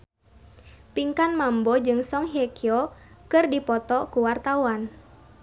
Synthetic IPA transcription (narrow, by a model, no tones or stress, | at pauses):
piŋkanmambɔd͡ʒɨŋsɔŋɦɛkiɔkɨrdipɔt̪ɔkuwart̪awan